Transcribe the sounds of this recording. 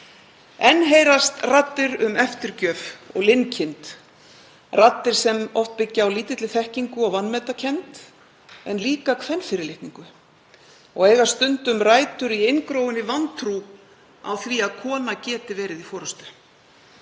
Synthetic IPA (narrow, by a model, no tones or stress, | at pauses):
ɛnːɦejɾast̪rat̪ːɪɾʏmɛft̪ɪɾcœːfɔ̰ɣlɪncʰɪnt̪ | rat̪ːɪɾ̥sɛmɔft̪̚pɪcːaawliːt̪ɪt̪lɪθɛhciŋkʏɔɣvanːmɛːt̪acʰɛnt̪ | ɛnliːkakʰvɛnfɪːɾɪlɪht̪niŋkʏ | ɔɣeːjɣḁst̪ʏnt̪ʏmraːjt̪ʏɾiejnkɾoːwɪnɪvant̪ʰɾu | a̰wθviaðkʰɔːnacɛːt̪ɪvɛːɾɪðifɔːɾʏst̪ʏ̥